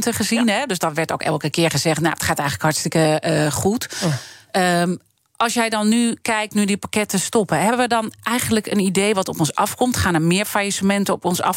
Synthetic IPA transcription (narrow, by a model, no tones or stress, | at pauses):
ntəχəzinɦɛdøsdɔtʋɛɹto̰ːkɛ̰lˠkəkɪəɹχəzɛχtnatχaːtɛjɣənləkhɑɹtstɪkəχut | ə | ʔɑlˠsjɛjdɔnːykɛjk̚tnydipakɛtəstɔpəɦɛbəʋədɔnʔɛjɣənləkənidejʋɔtɔpɔnsɑfkɔmtχaːnəmɪəɹfajisəmɛntəɔpɔnsɑ̰f